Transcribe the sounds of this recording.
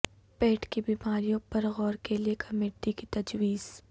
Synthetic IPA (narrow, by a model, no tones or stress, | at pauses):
pɛːʈkibiːmaːɾijõpɐɾɣɔːɾkeliekʰɐmeːʈːikit̪ɐd͡ʒwiːz̥